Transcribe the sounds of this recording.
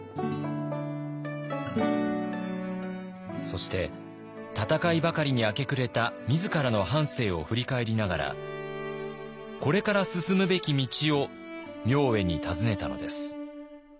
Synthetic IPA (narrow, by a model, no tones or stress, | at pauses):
so̞ɕi̥t̪e̞ | t̪at̪akaibakaɾʲiɲ̟iake̞kɯ̟ɾe̞t̪amʲizɨkaɾano̞hãɰ̃se̞ːo̞ɸɯ̟ɾʲikae̞ɾʲinaɡaɾa̰ | ko̞ɾe̞kaɾasɨsɨmɯ̟be̞kʲimʲit͡ɕio̞ | mʲo̞ːe̞ɲ̟it̪ʰazɨne̞t̪a̰no̞̰d̪e̞sɨ̥